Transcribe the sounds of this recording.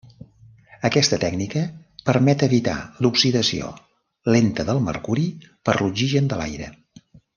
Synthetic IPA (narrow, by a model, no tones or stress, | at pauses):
əkɛst̪ət̪ɛɡnikə | pəɾmɛt̪əβit̪a̰luksiðəsio̰ | lent̪əðəlˠmə̰rkuɾipəɾluʒiʒənd̪əla̰jɾə̰